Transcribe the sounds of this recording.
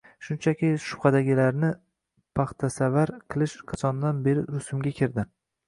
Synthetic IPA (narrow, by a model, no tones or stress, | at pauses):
ʃʊnt͡ʃʰakʲɪʃʊ̥pχɑd̪aɡʲɪlaɾnɪ | pʰɑχt̪ʰasavaɾqʰɨlˠɪʃqʰɑt͡ʃ̪ʰɒnd̪anbe̞ɾɪɾʊsʊmɡʲakʲʰɪɾd̪ɪ